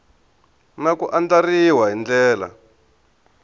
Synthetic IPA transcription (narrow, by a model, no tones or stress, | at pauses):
nakuʔand͡ɮariwaɦind͡ɮɛːla̰